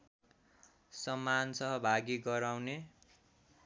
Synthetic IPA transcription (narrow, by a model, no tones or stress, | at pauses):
sʌmːansʌɦʌbʱaɡiɡʌɾawne